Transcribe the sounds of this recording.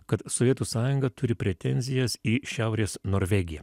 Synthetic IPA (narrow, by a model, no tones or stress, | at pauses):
kɐt̪sɔʋʲiɛt̪usɑːjʊŋɡɐt̪ʊɾʲɪpʲɾʲɛt̪ʲɛnʲzʲɪjɛsiːʃʲæˑʊɾʲeːsnoːɾʲʋʲɛɡʲɪjɛ